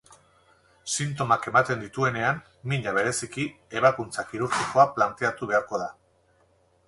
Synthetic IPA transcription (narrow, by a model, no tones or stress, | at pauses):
sint̪o̞make̞mat̪e̞nd̪it̪ue̞ne̞am | miɲaβ̞e̞ɾe̞siki | e̞β̞akunt͡sakiɾuɾxiko̞aplant̪e̞at̪uβe̞aɾko̞ð̞a